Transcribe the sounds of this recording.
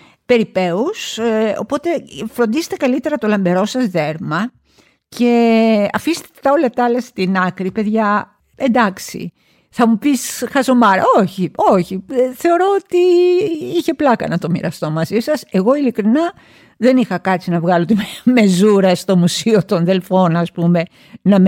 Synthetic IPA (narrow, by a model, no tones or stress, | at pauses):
pe̞ɾipe̞uso̞̰po̞t̪e̞fɾond̪ize̥t̪e̞kɐlit̪e̞ɾɐt̪o̞lɐmbe̞ɾo̞sɐzðe̞ɾmɐ | ce̞ɐ̰fist̪e̥t̪e̥t̪ɐolɐt̪ɐlɐst̪inɐkɾipe̞ðʝɐ | end̪ɐksḭ | θɐmupisxɐzo̞mɐɾɐ̰oçio̞çiθe̞o̞ɾo̞ot̪i | içe̞plɐkɐ̰nɐt̪o̞mḭɾɐst̪o̞mɐzisɐse̞ɣo̞ilikɾinɐ | ðe̞nixɐkɐt̪t͡sinɐvɣɐlo̞t̪imme̞zuɾɐst̪o̞musio̞t̪onðe̞lfo̞nɐspume̞ | nɐm